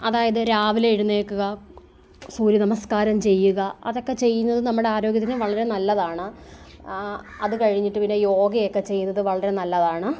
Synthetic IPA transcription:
ɐðaːjɐðɨɾaːʋileiɽunːeːkːuɣɐ | suːɾjɐnɐmɐskaːɾɐmt͡ɕe̞jːuɣɐɐ̰ðo̞kːe̞t͡ɕe̞jːunːɐðɨnɐmːuɽeaːɾo̞ːɡjɐt̪ːinɨʋɐɭɐɾe̞nɐlːɐðaːɳɨ | ɐðɨkɐɻiɲːiʈːɨpinːe̞jo̞ːɡɐjokːe̞t͡ɕejːunːɐðɨʋɐɭɐɾe̞nɐlːɐðaːɳɨ

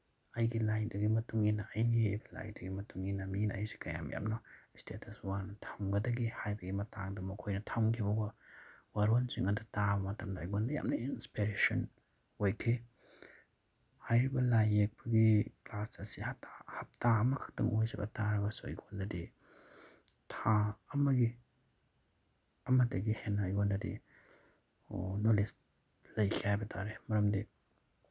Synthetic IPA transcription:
ɐjɡilajdɐɡimɐtuŋinːɐɐjniejbɐla̰jdɐɡimɐtuŋinːɐminɐɐjsi̥kɐja̰m̰ja̰mnɐstʰetʰɐswanɐtʰɐmɡɐdɐɡihajbɐɡimɐtaŋdɐmɐkʰojnɐtʰɐmkʰibɐbɐwaɾonsiŋɐdutabɐmɐtɐmdɐːjɡondɐja̰mnɐinspiɾesɐn | ojkʰi | hajɾibɐlajek̚bɐɡiklasɐsihatahɐp̚taɐmɐkʰḁk̚tɐŋojzɐbɐ̰taɾɐbɐsuɐ̰jɡondɐdi | tʰaɐmɐɡi | ɐmɐtɐɡihenːɐːjɡondɐdḭ | onolis | lɐjkʰihajbɐtʰaɾemɐɾɐmdi

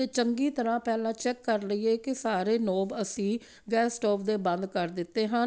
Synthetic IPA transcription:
eːt͡ʃəŋɡiːt̪əɾãːpɛːlãːt͡ʃɛːkːəɾləiːeːkɪsaːɾeːnoːbəsĩː | ɡɛːsʈɔːpʰd̪eːbə̃nd̪kəɾd̪ɪt̪ːeːɦən

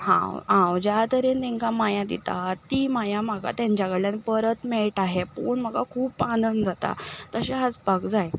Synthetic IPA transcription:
hã̰wɦãwd͡ʑat̪əɾent̪ɛ̃ŋkamajãd̪ḭt̪a̰t̪ːimajaməɡa̰t̪jãɲt͡ɕjaɡəɽljanpəɾət̪meɭʈaɦepuɳm̤əɡakʰuːpanənd͡zat̪a̰t̪əɕeɦad͡zpakd͡zaj

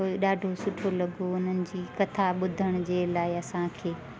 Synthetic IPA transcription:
oɗaːɖʱosʊʈʰolɐɡʱoʊn̤ənɪ̆d͡ʑiːkɐt̪ʰaɓʊd̪ʱəɽ̃ʊd͡ʑeːlaːɪɐsãkʰeː

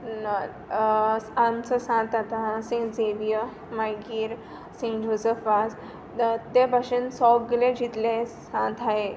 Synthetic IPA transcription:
na | amt͡səsãt̪at̪asĩŋd͡zeʋijə | majɡiːɾ | sĩŋd͡ʑozəfʋad͡z | t̪ebʱaʂensɔɡɡlẽd͡ʑit̪lẽsãt̪ʰaɦe

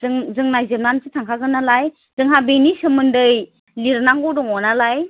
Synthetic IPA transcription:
ɯŋzɯŋnajzɯmnansɯtʰaŋkʰaɡɯnalaj | z̥ɯŋɦabenisɯmɯndɯj | liɾnaŋɡɔdɔŋɔnalaj

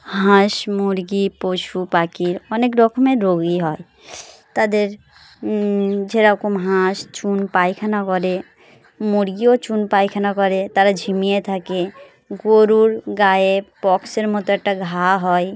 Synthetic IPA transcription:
ɦãʃmuɾɡipoʃupakiɾɔnekɖɔkʰmẽɾoɡiɦɔe | t̪ad̪eɾ | d͡ʒeɾɔkomɦãʃt͡ʃunpajkʰanakɔɾe | muɾɡiot͡ʃunpajkʰanakɔɾet̪aɾad͡ʒʱimijet̪ʰake | ɡoɾuɾɡaepɔkseɾmɔt̪oɛk̚ʈaɡʱaɦɔe

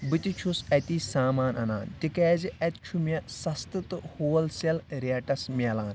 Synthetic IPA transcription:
bɨt̪it͡ʃʰusɐt̪iːsaːmaːnɐna̰ːnt̪ikɛːziʔɐt̪t͡ʃʰumɐsɐst̪ɨt̪ɨhoːɐlsɐlɾeːʈɐsmʲeːlaːn

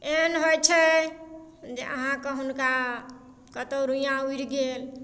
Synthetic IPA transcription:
enɦojt͡ʃʰɛ | d͡ʒeʔəɦãkeɦunka | kət̪oɾujãuiɾɡel

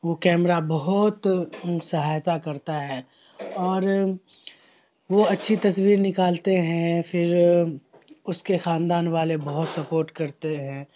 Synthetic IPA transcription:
ʋoːkɛːmɾabɐɦʊt̪sɐɦaːjt̪akɐɾt̪aɦɛː | ɔːɾ | ʋoɐtːʃʰit̪ɐswiːɾnɪkaːlt̪eɦɛ̃fɪɾ | ʊskexãːnd̪aːnʋaːlebɐɦʊt̪sɐpoːɾʈkɐɾt̪eɦɛ̃ː

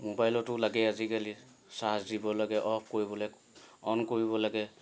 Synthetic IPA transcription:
mobajlɔtʊlaɡɛazikali | sasdibɔlaɡɛʔɔp̚ʰkoɹibɔlɛ | ɔnkoɹibɔlaɡɛ

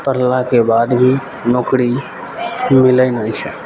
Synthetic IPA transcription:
pəɾlakebaːd̪bʱi | nɔːkɾi | mɪləɪnət͡ʃʰɛ

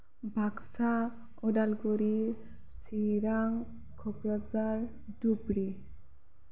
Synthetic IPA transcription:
bʱaksa | ɔdalɡɔɾi | siɾaŋ | kʰɔpɾazaɾ | dubɾi

